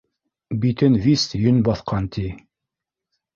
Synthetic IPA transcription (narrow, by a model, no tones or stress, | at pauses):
bit̪ɘnvʲist̪jɵnbɑθqʰɑnt̪ʰi